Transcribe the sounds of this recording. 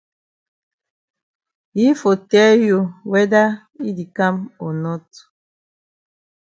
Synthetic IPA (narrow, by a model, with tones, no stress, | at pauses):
hi˦fo˨tɛ˦ju˦wɛ˦da˦ | i˦di˨ka˦mɔ˨nɔ˦t